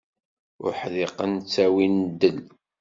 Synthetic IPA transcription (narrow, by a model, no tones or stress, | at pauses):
ʊ̰ɾħlɪqənt͡sːæwind̪əl